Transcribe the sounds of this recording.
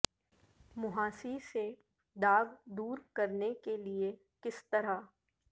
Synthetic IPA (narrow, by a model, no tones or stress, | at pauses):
mʊɦaːsise | d̪aːʋd̪uːɾkɐɾnekelie | kɪst̪ɐɾa